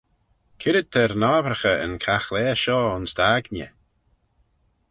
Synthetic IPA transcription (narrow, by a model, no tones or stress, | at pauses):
kʰɪɾəd̪̚t̪ʰɛɾnaːbɾəxəə̰nkʰaxlɛːʃɔːʊnsd̪aːɡnə̰